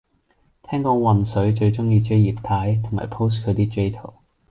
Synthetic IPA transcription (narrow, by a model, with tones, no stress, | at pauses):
t̪ʰɛː˥ŋkɔː˧wɐ˨nsɵ˨˥ɥt͡ʃɵ˧ɥt͡ʃʊ˥ŋjiː˧t͡ʃe˥jjiː˨p̚t̪ʰaː˨˥jt̪ʰʊ˨˩ŋma̰ː˨˩jpʰo˥wskʰɵ˨˧ɥt̪iː˥t͡ʃe˥jt̪ʰo˨˩w